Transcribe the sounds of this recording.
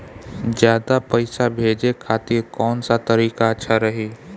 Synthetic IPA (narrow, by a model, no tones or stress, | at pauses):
d͡ʒjaːd̪apəɪsabʱeːd͡ʒekʰaːt̪ɪɾkɔːnsat̪ɐɾiːkaətːʃʰaɾɐɦiː